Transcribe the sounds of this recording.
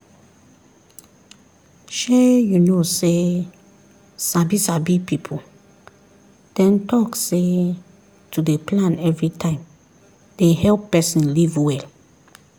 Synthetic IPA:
ʃɛjunose | sabisabipipʰu | d̥ɛ̃ntɔkse | tudeplãnɛvɹitʰãɪ̃m | d̥ehɛlpːɛsĩnlivwɛl

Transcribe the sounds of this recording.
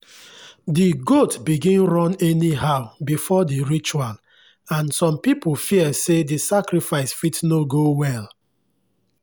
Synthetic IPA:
diɡotbiɡĩnɹɔ̃nɛniɦaʊbifɔdiɹit͡ʃual | ãnsɔ̃mpipolfiɛsedisakɹifaɪsfitnoɡowɛl

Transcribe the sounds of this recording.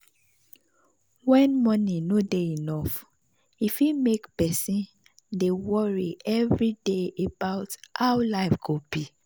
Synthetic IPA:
wɛ̃nmɔnĩnodeinɔf | ifimekpɛsĩn | dewɔɹiɛvɹideebaʊthaʊlaɪfɡ̥obi

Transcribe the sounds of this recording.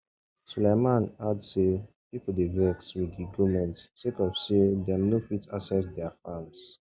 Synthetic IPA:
sulemãnadse | pipl̩dewɜkswidiɡumɛ̃ntsekɔfsedɛ̃mnofitʰasɛs̬dɛafams

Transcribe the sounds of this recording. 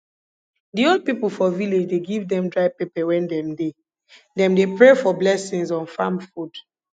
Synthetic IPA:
diɔld̚pipulˠfɔviled͡ʒdeɡivdɛ̃mdɹaɪpepɛwɛ̃ndɛ̃mde | dɛ̃mdepɹefɔblɛsĩŋzɔ̃nfãmfud

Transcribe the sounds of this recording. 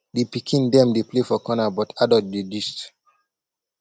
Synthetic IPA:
depikʰĩndɛ̃mdeplefɔkɔnabɔtʰadɔlt̚didist

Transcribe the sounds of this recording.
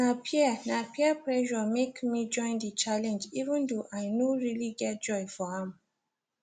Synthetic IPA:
napʰiɛnapiɛpɹɛʒɔmekmid͡ʒɔ̃ɪ̃ndət͡ʃalɛ̃nd͡ʒivə̃ndoʔajnoɹiliɡɛt̚d͡ʒɔjfɔhɛ̃m

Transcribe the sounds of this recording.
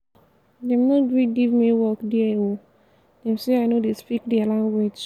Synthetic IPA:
dɛmnɔɡɹiɡivmiwɔkdiao | d̥ɛmseaɪnodespik̚dialãŋɡwed͡ʒ

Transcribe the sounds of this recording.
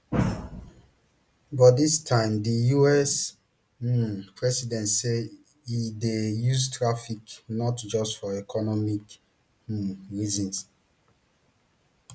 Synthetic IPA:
badistʰãɪ̃mdijuɛs | pʰɹɛsidɛ̃ntse | idejuztʰɹafiknɔtd͡ʒɔstfɔɛkʰɔnɔmik | ɹizɔ̃ns

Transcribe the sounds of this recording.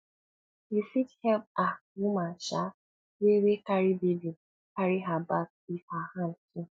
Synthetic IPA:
efithɛlp̚awumaʃa | wewekaɾibibi | kaɾiɦabak̚ | ihahantu

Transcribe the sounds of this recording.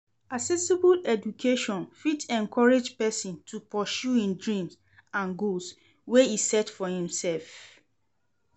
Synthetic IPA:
aksɛsibulɛdukʰeʃɔ̃nfitɛ̃nkʰɔɹed͡ʒpɛsĩntʰupɔʃuĩndɹĩms | ãnɡols | weisɛtfɔhĩmsɛlf

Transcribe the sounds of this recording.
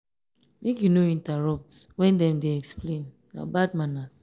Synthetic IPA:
mekjunoĩntaɹɔp̚twɛ̃ndɛ̃mdeɛksplẽn | a̰bad̚manas

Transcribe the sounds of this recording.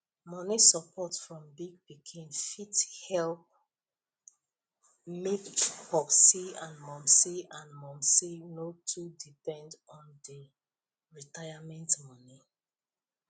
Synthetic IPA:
mɔnisɔpʰɔtfɹɔ̃mbiɡ̚b̥ikʰẽmfithɛlp̚ | mekt͡ʃhɔksiãnmɔ̃msiãnmɔ̃msinotʰudipɛ̃ndɔ̃ndi | ɹitajamɛ̃ntmɔni

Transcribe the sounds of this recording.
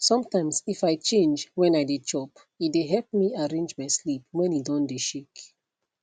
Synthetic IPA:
sɔ̃mtãɪ̃msifaɪt͡ʃẽnd͡ʒwɛ̃naɪdet͡ʃɔp | itdeɦɛlp̚miaɹẽnd͡ʒmaɪslipwɛ̃nidɔ̃ndeʃek

